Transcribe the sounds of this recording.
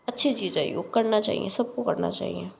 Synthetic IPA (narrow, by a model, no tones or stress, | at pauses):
ətːʃʰit͡ʃiːzaḭjoːɡ̚kəɾnaːt͡ʃa̰ːɦḭḛ̃ːsəb̚kukəɾna̰ːt͡ʃa̰ːḭẽː